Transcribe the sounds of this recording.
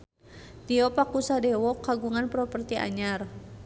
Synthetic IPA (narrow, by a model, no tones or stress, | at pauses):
t̪iɔpakusadɛwɔkaɡuŋanpɾɔpərt̪iʔa̰ɲar